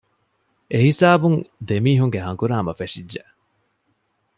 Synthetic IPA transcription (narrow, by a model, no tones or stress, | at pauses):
ʔeɦisaːbuŋd̪emiːɦuŋɡeɦɐŋkuɾaːmɐfeʂidʒe